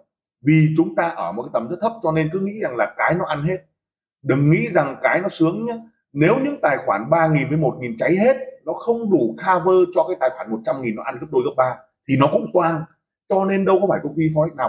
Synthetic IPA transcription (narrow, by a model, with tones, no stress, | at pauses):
vi˨˩t͡ɕʊ˨˦ŋ͡mt̪aː˧ʔəː˧˩mo˨˩kaː˨˦jt̪ə˨˩mzə˦˥t̪ʰə˦˥p̚t͡ɕɔ˧ne˧nkɨ˨˦ŋḭ˧˥za˨˩ŋlaː˨˩kaː˨˦jnɔ˨˦ʔa˧nhe˦˥t̚ | ɗɨ˨˩ŋ̚ŋḭ˧˥za˨˩ŋkaː˨˦jnɔ˨˦sɨ˨˦əŋɲa˨˦ | ne˨˦wɲɨ̰˧˥ŋt̪aː˨˩jxwaː˧˩nɓaː˧ŋi˨˩nvəː˨˦jmo˨˩t̚ŋi˨˩nt͡ɕa˨˦jɦe˦˥t̚nɔ˨˦xə˧wŋ͡mɗu˧˩xaː˧vəː˧t͡ɕɔ˧kaː˨˦jt̪aː˨˩jxwaː˧˩nmo˨˩t̚t͡ɕa˧mŋi˨˩nːɔ˨˦ʔa˧nɣə˦˥p̚ɗo˧jɣə˦˥p̚ɓaː˧ | t̪ʰi˨˩nɔ˨˦kʊ̰˧˥ŋ͡mt̪waː˧ŋ | t͡ɕɔ˧ne˧nɗə˧wkɔ˨˦faː˧˩jkə˧wŋ͡mki˧fɔ˨˦jnaː˨˩w